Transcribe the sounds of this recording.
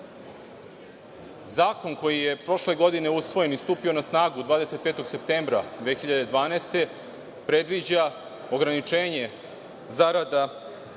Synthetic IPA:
zaːko̞nko̞jijepɾo̞ʃle̞ɡo̞d̪ine̞usʋo̞je̞nist̪uːpio̞nasnaːɡud̪vaːd̪e̞se̞t̪̚pet̪o̞ɡse̞p̚t̪eːmbɾad̪ʋexiʎad̪ed̪ʋaːnaːst̪e̞ | pɾe̞d̪ʋid͡ʑa | o̞ɡɾanit͡ʃeːɲe | zaɾad̪a

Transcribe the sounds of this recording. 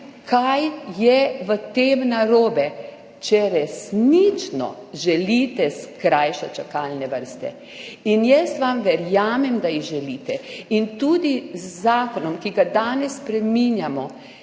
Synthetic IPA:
kʰajjɛʋət̪eːmnaɾoːbɛ | t͡ʃɛɾɛsnit͡ʃnɔ̰ʒɛliːt̪ɛskɾajʃɛt͡ʃakaːlnɛʋəɾst̪ɛ̰ | injəst̪ʋamʋɛɾjaːmɛmd̪aiɣʒɛliːt̪ɛint̪uːd̪izːaːkɔnɔmkiɡad̪aːnɛsːpɾɛminjamɔ

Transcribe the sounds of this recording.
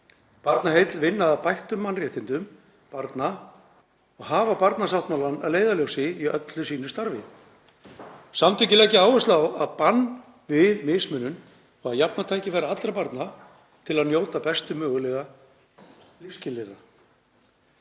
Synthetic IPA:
paɾt̪naɦejt̪lvɪnːaðapajht̪ʏmːanrjɛht̪ɪnt̪ʏm | paɾt̪na | ɔɣɦaːvapaɾt̪nasawht̪malanːaðleːjðaljowsɪiœ̰t̪lʏsiːnʏst̪aɾvɪ | samt̪ʰɪcɪlɛhcːɪaːwvɛst̪lawaðpanː | vɪðmɪsmʏnːʏn | ɔɣaðjapnat̪ʰaːjcɪvɛːɾaat̪ɾapaɾt̪na | t̪ʰɪlaðnjoːwt̪apɛst̪ʏmœːɣʏlɛɣa | lɪfscɪlɪɾa

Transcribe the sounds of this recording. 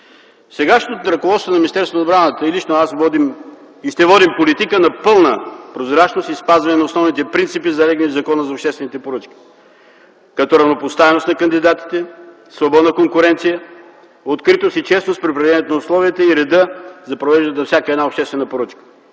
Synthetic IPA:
sɛɡaʃnt̪ot̪ɾɐkovɔt̪st̪onɐminist̪ɛɾsonod̪bɾanət̪əilit͡ʃnoasvɔd̪im | iʃt̪ɛvɔd̪impolit̪ikənɐpɤlˠnəpɾozɾat͡ʃnost̪ispazvɐnɛnɐosnɔvnit̪ɛpɾint̪sipizɐlɛɡnizɐkɔnəzɐopʃt̪ɛst̪vɛnit̪ɛpoɾət͡ʃk̟ʲi̥ | kɐt̪ɔɾɐvnopost̪avɛnost̪nɐkɐnd̪id̪at̪i̥t̪ɛ | slvobɔd̪nəkoŋkʊɾɛnt̪sijə | ot̪kɾit̪osit͡ʃɛsnospɾipɾɛd̪ɛnʲɛt̪onʊslˠɔviət̪əiɾɛd̪əzɐpɾovɛʒd̪ənnɐfsʲakəɛd̪naopʃt̪ɛst̪vɛnəpoɾɤt͡ʃkə̥

